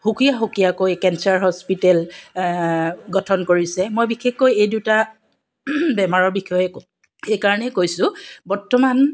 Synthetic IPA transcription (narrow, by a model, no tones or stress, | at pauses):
hukijaɦukijakojkɛnsaɹɦɔspitɛl | ɡɔtʰɔnkoɹisɛmojbixexːojejduta | bɛmaɹɔɹbixɔjɛko | xejkaɹɔnɛkojsʊbɔɹtɔman